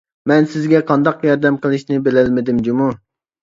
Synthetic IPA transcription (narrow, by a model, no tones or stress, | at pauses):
mɛnsɪzɡʲɛqʰɑnd̪ɑqjɑɾd̪ɛmqəlˠɨʃnɪbɪlɛlmɪd̪ɪmd͡ʒumu